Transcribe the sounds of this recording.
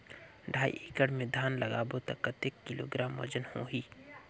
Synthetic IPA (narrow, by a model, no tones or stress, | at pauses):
ɖʱaːḭʔikəɽmẽd̪ʱaːnlɐɡaːbot̪ɐkət̪ːekːilo̰ːɡɾaːmːɐ̰d͡ʒənhõ̰ːɦiː